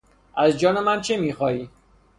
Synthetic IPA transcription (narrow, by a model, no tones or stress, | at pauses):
æzd͡ʒɒːnemænt͡ʃʰemiːxɒːiː